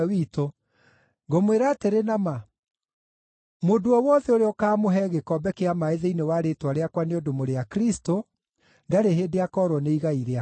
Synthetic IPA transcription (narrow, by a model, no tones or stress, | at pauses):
wito | ɡomweɾaːteɾenama | modoɔwɔðɛoɾeɔkaːmoɦɛɣekɔbɛkeamaeðeinewaɾetwaɾeakwaneodomoɾeakɾisto | ndaɾeɦedeakɔːɾwɔneiɣaiɾea